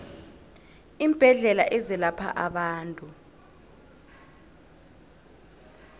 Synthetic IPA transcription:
imb̥ʱɛɮɛlaʔɛzɛlapʰa̰ʔaɓaːntʼu

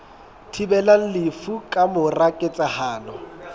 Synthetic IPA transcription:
tʰibɛlaŋ̩lɪfukʼamʊrakʼɪt͡sʼahaːlɔ

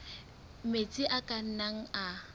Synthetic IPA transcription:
met͡sʼɪʔakʼan̩naŋ̩a

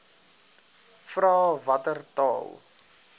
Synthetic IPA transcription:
frɑːvɐtərtɑ̰ːlˠ

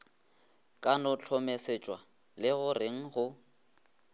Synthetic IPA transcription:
kʼanʊt͡ɬʰɔmeset͡ʃʼwa | lɪɣʊreŋ̩ɣʊ

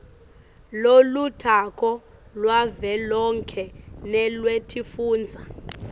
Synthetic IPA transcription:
lolutʰakʰʼɔlwavɛlɔŋkʰɛnɛlwetʰifuːnd͡zʱa

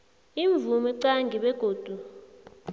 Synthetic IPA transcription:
iɱb̪vumiǀaŋɡʱiɓɛɡ̥ʱoːd̥ʱu

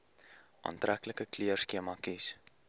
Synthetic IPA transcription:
ʔɑ̰ːntrækləkəkliərskiəmɑkis

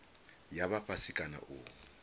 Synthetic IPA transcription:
jaβapʰʼasɪkʼana̰ʔʊː

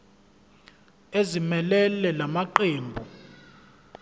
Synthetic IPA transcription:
ezimɛlɛlɛlamaǃeːmbʱu

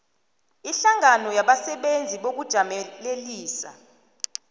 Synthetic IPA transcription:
iɬaŋanɔjaɓasɛɓend͡zʱiɓok̬ud̥ʒ̥ʱamɛleliːsa̰

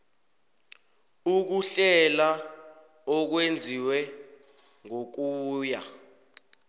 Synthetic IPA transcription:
uk̬uɬɛla | ɔk̬wend͡zʱiwɛ | ŋok̬uːja

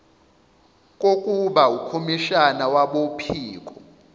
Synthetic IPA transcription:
kʼokʼuɓaukʰomiʃanawaɓopʰiːk̬ʼɔ

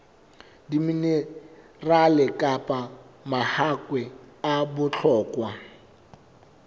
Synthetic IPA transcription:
dimine | ralɪkʼapʼamahakʼwɛabʊt͡ɬʰɔːkʼwa

